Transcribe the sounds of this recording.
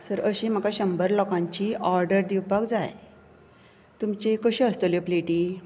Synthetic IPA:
səɾəɕĩːm̤əkaɕəmbəɾlɔkãɲt͡ɕiːɔɾɖəɾd̪iwpakd͡zaj | t̪umt͡ɕekəɕĩəst̪oljɔpleʈiː

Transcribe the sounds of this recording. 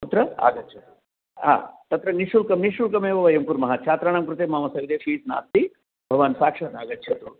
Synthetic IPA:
ut̪ɾɐa̰ːɡɐt̪ːt͡ʃʰɐ | ɦa̰ːt̪ɐt̪ɾɐniʃulkɐmniʃulkɐmeːʋɐʋɐjɐmpuɾmɐɦat͡ʃʰaːt̪ɾaːɳamkɾut̪eːmaːmɐsɐjd̪eːʃiːsna̰ːst̪i | bʱɐʋaːnsaːkʂɐnaːɡɐt̪ːt͡ʃʰɐt̪u

